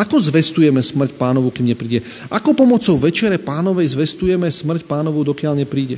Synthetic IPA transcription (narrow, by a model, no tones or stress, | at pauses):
akɔzʋɛst̪ujɛmɛsmr̩c̚paːnɔʋukiːmɲɛpɾiːɟɛ | ʔakɔpɔmɔt͡sɔʊʋɛt͡ʃɪɛɾɛpaːnɔʋɛjzʋɛst̪ujɛmɛsmr̩cpaːnɔʋud̪ɔkɪaʎɲɛpɾiːɟɛ